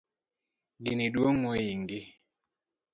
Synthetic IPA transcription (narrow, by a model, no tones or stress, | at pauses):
ɡinidwoŋwojiŋɡi